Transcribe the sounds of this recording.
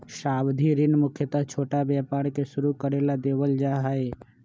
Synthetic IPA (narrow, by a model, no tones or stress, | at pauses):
ʃaːbd̪ʱiɾɪnmʊkʰjət̪əɦt͡ʃʰoːʈabjaːpaːɽkeʃʊɾukəɾelad̪eːʋəld͡ʒaːɦae